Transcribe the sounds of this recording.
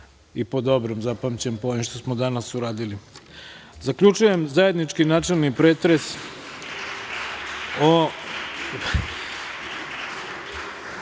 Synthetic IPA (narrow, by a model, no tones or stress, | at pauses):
ipo̞d̪o̞bɾomzapamt͡ɕempojemʃt̪osmod̪anasuɾaːd̪ili | zakʎut͡ʃuje̞mzaje̞d̪nit͡ʂkinaːt͡ʂelˠnipɾeːt̪ɾes | o